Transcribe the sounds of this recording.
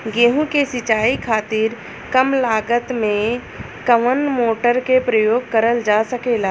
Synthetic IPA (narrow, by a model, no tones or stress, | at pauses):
ɡẽːɦũkesɪt͡ʃaːikʰaːt̪ɪɾ | kəmlaːɡət̪mẽ | kəʋənmoːʈəɾkepɾəjoːɡ̚kɐɾəld͡ʒaːsɐkeːlaː